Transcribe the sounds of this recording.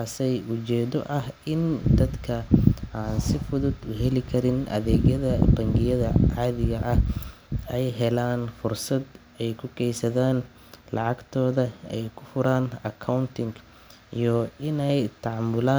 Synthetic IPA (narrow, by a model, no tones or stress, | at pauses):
aːsɛjʊt͡ʃɛːðɔʔɐhɪnd̪ɐd̪kʰɐaːnsɪfʊðʊd̪ʊɦɛlɪkʰɐɾɪnʔɐ̰ðɛːɡjɐðɐbɐŋɡɪjɐðɐʕɑːðɪɣɐʔɐh | ɛjɦɛlaːnfʊrsɐd̪ | ɛjkʰʊkɛjsɐðaːn | lɑʕɑɡt̪ʰɔːðɐɛjkʰʊfʊɾaːnɐkʰːɐwnt̪ʰɪŋk | ijɔɪnɛjt̪ʰɑʕɑmːʊlaː